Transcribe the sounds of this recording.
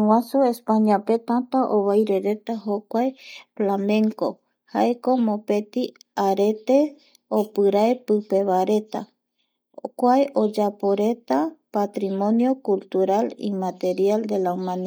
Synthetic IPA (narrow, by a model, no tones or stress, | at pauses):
wãsuespaɲãpe̞t̪ãt̪aʔoβajɾe̞ɾe̞t̪aɦokʷaeflamẽ̞ŋko̞ | haeko̞mope̞t̪i | aɾe̞t̪e̞ | opɨɾaepɨpe̞βaɾe̞t̪a̰ | kʷaeʔo̞d͡ʒapo̞ɾe̞t̪apat̪ɾimõ̞njo̞kult̪uɾalḭmat̪e̞ɾiald̪e̞laumãni